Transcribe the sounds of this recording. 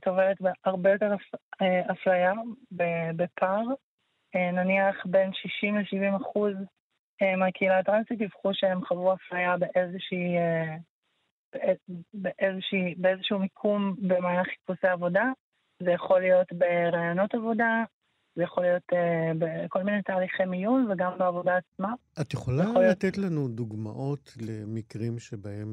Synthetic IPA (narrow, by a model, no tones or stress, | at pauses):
t̪oveʁetbeaʁbejo̞teʁeaflajabebepʰaʁ | enaniaχbe̞nʃiʃimleʃivimaχuz | emeakeilatʁansitivχuʃeemχavʁuaflajabe̞ʔezeʃie | b̥eebeʔezeʃibeezeʃumikʰumbemaːlaχi̥t̚puseavo̞da | zejaχo̞lijo̞tbeʁaːjono̞tavo̞da | zejaχo̞lijo̞tebeko̞lminetaːliχimijunveɡambeavo̞daːt͡smaat̪jeχolajaolat̪et̪lanud̪uɡma̰ʔo̞tlemikʁimʃebaem